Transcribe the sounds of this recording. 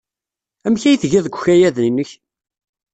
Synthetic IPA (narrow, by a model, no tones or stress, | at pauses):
æmçæjθəʝæðɡʷçæjæðinːəç